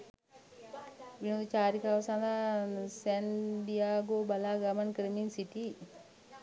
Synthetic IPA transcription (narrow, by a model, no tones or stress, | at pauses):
ʋinod̪ut͡ʃaːɾikaʋɐsand̪asɛnɖijaːɡobɐlaɡamɐnkɾeminsiʈi